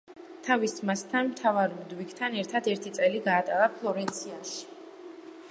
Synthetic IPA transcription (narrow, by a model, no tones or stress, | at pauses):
t̪ʰavismast̪ʰanmt̪ʰavaɾmd̪wikt̪ʰanɛɾt̪ʰad̪ɛɾt̪ʰit̪sʼɛliɡaːt̪ʼalapʰlˠɔɾɛnt̪sʰiaʃi̥